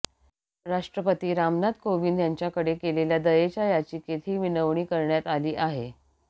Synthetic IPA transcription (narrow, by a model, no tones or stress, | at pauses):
ɾaʂʈɾəpət̪iːɾamnat̪koʋiːnd̪jaɲt͡ɕjakəɽekeleljad̪əjet͡ɕajat͡ɕiːket̪ʰiːʋinəʋɳiːkəɾɳjat̪aliːʔaɦe